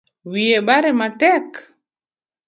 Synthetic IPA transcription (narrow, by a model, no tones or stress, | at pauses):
wieɓaɾɛmatɛk